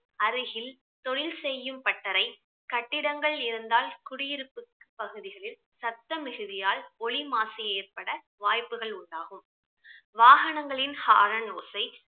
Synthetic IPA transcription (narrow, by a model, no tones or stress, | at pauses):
ɐɾɯɣɪl | t̪ɔɭɪlsɛjːɯmpɐʈːɐɾɐɪ | kɐʈːɪɽɐŋɡɐɭɪɾɯnd̪aːlkʊɽɪjɪɾɯpːɯkːɯ̥pːɐɣɯðɪɣɐɭɪl | sɐt̪ːɐmɪɣɯðɪjaːlɔɭimaːsɐeːrpɐɽɐ | ʋaːjpːɯɣɐɭʊɳɖaːɣɯm | ʋaːɣɐnɐŋɡɐɭɪnhaːɾɐnoːsɐɪ